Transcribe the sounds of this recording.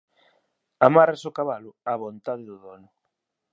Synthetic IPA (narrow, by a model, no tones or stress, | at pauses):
amaɾasʊkaβalʊaβont̪aðɪðʊðɔnʊ